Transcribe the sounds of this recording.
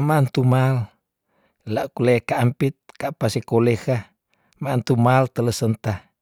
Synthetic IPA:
mant̪umal | laʔkulakaʔːmpit̪̚kaʔpasikoleka | mant̪umalt̪ələsənt̪ah

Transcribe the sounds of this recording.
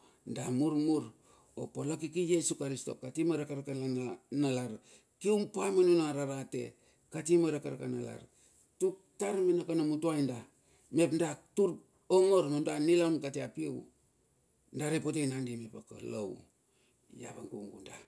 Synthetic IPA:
ndamuɾmuɾ | o̰polakikijesukaɾisto̞̰katimaɾakaɾakaanalaɾ | kiwmpamanunaɾaɾate̞̰ | katimaɾakaɾakanala̰ɾ | tuk̚taɾminakanamutuajnda | me̞pndatuɾ | oŋo̞ɾmemdanilankateapiew | ndaɾepotejnandimepako̰lo̰w | ja̰βaŋkuŋɡunda

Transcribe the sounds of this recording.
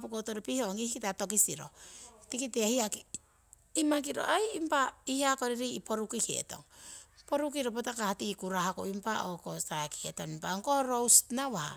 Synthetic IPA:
pukotoɾepiho̞ŋihikitato̞k̬isiɾo̞̰tikitehiaki | imak̬iɾo̞̰ʔajimpaihako̞ɾeɾiipo̞ɾukikḛto̞̰ŋpo̞ɾukiɾopotakahatikuɾahako̰impaʔokosaki̥etonimpaŋkoɾowsnawaha̰

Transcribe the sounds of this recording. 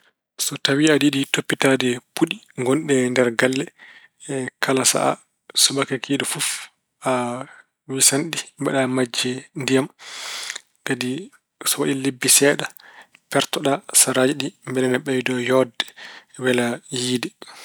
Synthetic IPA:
sɔtawiadiɗitopːitadɛpuɗi | ŋɡɔnɗɛndɛɾɡalːɛ | kʰalasa̰ʔa̰ | sɔɓakakʰidɛfuf | ʔa | wisanɗibaɗamad͡ʒːɛndijam | kadi | sɔwaɗilebːisɛːɗapɛɾtɔɗasaɾad͡ʒiɗimbɛlɛnɛɓɛjdɔjɔdːɛ̥wɛlajiːdɛ

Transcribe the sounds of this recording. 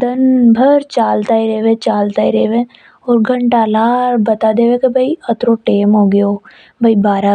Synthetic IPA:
d̪ənbʱəɾt͡ʃaːlt̪aːiɾeːʋẽt͡ʃaːlt̪aːiɾeːʋẽ | ɔːɾɡʱə̃ɳʈaːlaːɾbət̪ad̪eːʋẽkebʱəiət̪ɾoʈeːmɦoːɡɪjoː | bʱibaːɾa

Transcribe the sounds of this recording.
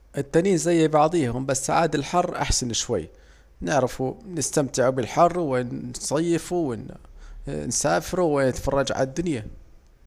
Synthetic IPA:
ʔɪt̪ːaniːnzajːbɑʕðˤiːhʊmbasːaʕaːd̪alħɑrˤːʔa̰ħsanʃwajː | nɪʕɾɪfunɪst̪amt̪ɪʕubɪlħɑrˤːwɪnsˤɑjːɪfuwɪn | nsaːfɪɾuwɪnɪt̪fɑrˤːɑd͡ʒʕa̰lad̪ːʊnja

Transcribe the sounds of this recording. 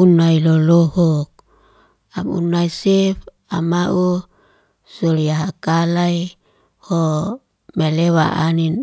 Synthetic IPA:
unailolohɔk̚ | amṵnaisɛf | amaʔu | soliaɦakalai | ho | melewa̰ʔa̰nin

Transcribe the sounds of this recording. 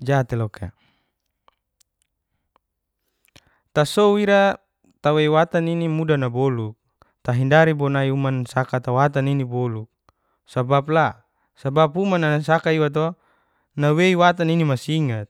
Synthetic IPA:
d͡ʒat̪elɔka̰ | t̪asouiɾa | t̪aweiwat̪aninimudanaboluk̚ | t̪aɦindaɾibɔnaiumansakat̪awat̪aninibɔluk̚ | sabap̬̚la | sabapumanasakaiwat̪̬o | naweiwat̪aninimasiŋat̪̚

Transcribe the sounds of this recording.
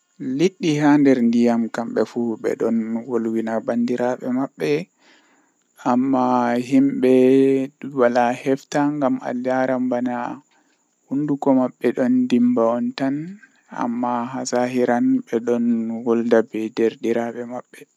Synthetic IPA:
liɗːihandɛɾndijamkamɓɛfuɓɛ̰ɗɔnwolwinabandiɾaɓɛmaɓːɛ | amːaɦimɓɛ | walahɛftaŋɡama̰ljaɾambana | hundukɔmaɓːɛɗɔndimbaɔntan | a̰mːaɦasaɦiɾanɓɛɗɔnwɔldabɛdɛɾdiɾaɓɛmaɓːɛ

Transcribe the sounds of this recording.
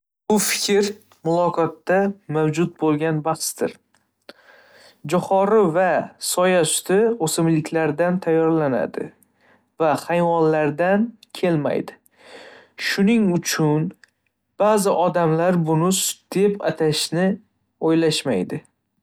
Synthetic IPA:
bʊfɪ̥kʲʰɾ | mʊlˠɒqʰɒt̪ːamawd͡ʒʊt̪̚bolˠɡʲanbaχst̪ɪ̰ɾ | d͡ʒɒχɒɾɪvasɒjasʊ̥t̪ʰɪosɪmlɪkʲʰlaɾd̪ant̪ʰajːɒɾlana̰d̪ɪ̰ | vaχajvɒnlaɾd̪ankʲʰe̞lma̰jd̪ɪ | ʃʊnɪŋʊt͡ʃʰʊn | b̥azɪʔɒd̪amlaɾbʊnʊsd̪̥e̞pa̰t̪ʰaʃnɪ | ojlaʃma̰jd̪ɪ

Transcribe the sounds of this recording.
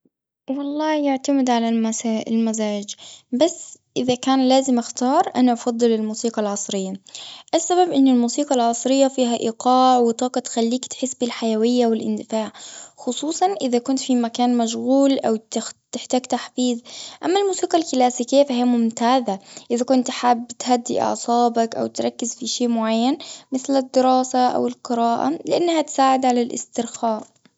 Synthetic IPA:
wɑlˤːɑːjɪʕt̪amɪd̪ʕalalmasaːɪlmazaːd͡ʒbasːʔɪðakaːnlaːzɪmʔaxt̪ɑːɾˤʔanaʔɑfɑd̪ˤːɨlɪlmuːsiːqɑlʕɑsˤɾɪjːaʔasːababʔɪnːɪlmuːsiːqɑlʕɑsˤɾɪjːafiːɦaʔiːqɑːʕwɪt̪ˤɑːqɑt̪xalːiːkt̪ħɪsbɪlħajawɪjːawɪlʔɪ̰nd̪ɪfaːʕxʊsˤuːsˤɑnʔɪðakʊnt̪fimakaːnmaʃɣuːlʔawt̪t̪ɪħt̪aːɡt̪aħfiːðʔamːalmuːsiːqɑlkɪlaːsiːkijːafahijamʊmt̪aːðaʔɪðakʊnt̪ħaːbɪt̪had̪ːḭʔɑ̰ʕsˤɑːbakʔa̰wt̪ɾˤɑkːɪzfiʃeːmʊʕajːanmɪθlad̪ːɪɾɑːsaʔa̰wɪlqɨɾɑːʔa̰lɪʔanːhat̪saːʕɪd̪ʕalalʔɪ̰st̪ɪɾxaːʔ

